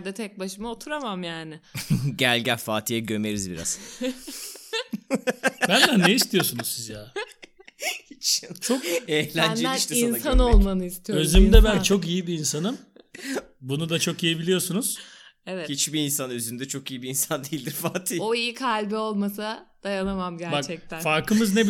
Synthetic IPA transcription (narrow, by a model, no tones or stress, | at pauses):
d̪ɛt̪ʰɛc̚baʃɯmaot̪ʰuɾamamjaːnɪɟælʲɟæfaːt̪ʰijɛɟø̞me̞ɾizbḭɾa̰z | bænd̪anːejist̪ʰijo̞sunuzsizjaː | hit͡ʃt͡ʃʰo̞kehlʲænd͡ʒeiʃt̪innsanolˠmanɯist̪ʰijøzymd̪ɛbænt͡ʃʰo̞k̬ijibiːnsanɯm | bunud̪at͡ʃʰo̞kijebilʲijo̞sunuz̥evɛt̪hit͡ʃbiːnsanøzynd̪ɛt͡ʃʰo̞kijibiinsand̪ejilʲd̪iɾfaːt̪ʰijoijikʰalʲbio̞lˠmasad̪̥ajanamamɟæɾbakt͡ʃʰɛc̚t̪ʰænfaɾkɯmɯznebi